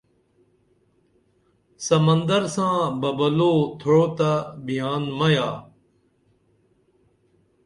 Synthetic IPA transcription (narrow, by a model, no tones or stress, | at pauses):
səmənd̪əɾsãːbəbəloːt̪ʰoɽoːt̪əbʱɪjaːnməjaː